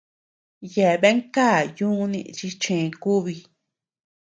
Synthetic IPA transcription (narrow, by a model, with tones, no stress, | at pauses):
je˨βe˦ŋka˦˨jũ˦nḭ̃˧ʔt͡ʃi˧t͡ʃẽ˨˧ku˦βi˧